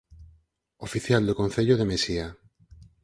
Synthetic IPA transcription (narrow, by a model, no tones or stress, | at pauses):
ofiθjald̪okõn̟θeʎoð̞emesia